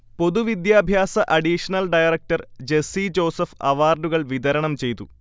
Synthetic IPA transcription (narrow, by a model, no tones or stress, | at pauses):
po̞ðuʋid̪jaːbʱjaːsɐʔɐɖiʂɐnɐlɖɐjɐrɐk̚ʈɐrd͡ʑe̞sid͡ʑo̞ːsɐfɐʋaːrɖuɣɐɭʋid̪ɐɾɐɳɐmt͡ɕe̞jt̪u